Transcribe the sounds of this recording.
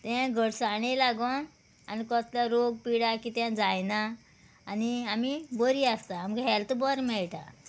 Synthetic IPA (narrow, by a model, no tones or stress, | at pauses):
t̪ãɡʱəɽsaɽ̃elaɡon | anikɔt̪ljaɾoɡ̚piɽakit̪ãd͡zajnaː | niamibəɾiast̪aːmɡɦɛlt̪bɔɾmɛɭʈa̰